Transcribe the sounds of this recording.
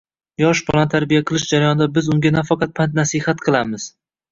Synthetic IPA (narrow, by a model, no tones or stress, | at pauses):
jɒʃbʰɒlˠant̪ʰaɾbijaqʰɨlˠɪʃd͡ʒaɾajɒnd̪abɪzʊŋɡʲanafɑqʰɑt̪̚pʰant̪nasihat̪qʰɨlˠamɪz̥